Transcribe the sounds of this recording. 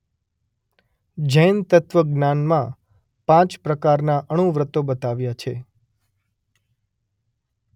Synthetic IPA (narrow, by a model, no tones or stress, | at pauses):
d͡ʒəjnt̪ət̪ʋəɡnanmã | pãt͡ʃpɾəkaɾnaʔəɽ̃ũʋɾət̪obət̪aʋjat͡ʃʰe